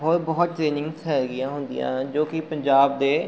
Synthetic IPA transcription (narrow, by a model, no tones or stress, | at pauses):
ɦoːɾbɔːʊt̪̚ʈɾeːnɪ̃ŋɡsɦɛːɾɡɪjãːɦʊ̃nd̪ɪ̰jã̰ːd͡ʒoːkɪpəɲd͡ʒaːbd̪eː